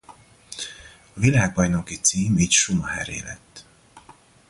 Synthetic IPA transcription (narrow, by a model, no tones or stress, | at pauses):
ɒvilaːɡ̚bɒjno̞kit̪siːmiːcʃumɒhɛ̰ɾḛːlɛ̰t̪ː